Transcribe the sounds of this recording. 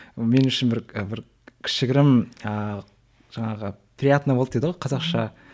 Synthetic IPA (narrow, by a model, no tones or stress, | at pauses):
me̞nʏʃɪnbɪɾəbɪɾ | kʲʰɪ̥ʃɪɡʲɪɾɪmə | ʒ̥ɑɴɑʁə | pʰʲɾʲiat̪ənɑbolˠp̪̚td̪eəʁojqʰɑzɑqʃɑ